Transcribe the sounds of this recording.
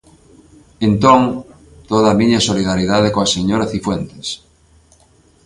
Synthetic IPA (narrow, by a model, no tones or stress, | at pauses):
ent̪oŋ | t̪oðamiɲasoliðaɾiðað̞ekoaseɲoɾaθifwent̪e̥s